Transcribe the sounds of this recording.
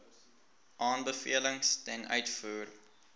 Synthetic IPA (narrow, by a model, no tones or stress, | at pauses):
ʔɑːnbəfḭələŋstɛnœ̰ɥtfuːr